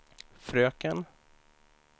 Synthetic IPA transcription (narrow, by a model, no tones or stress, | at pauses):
fɾøːkən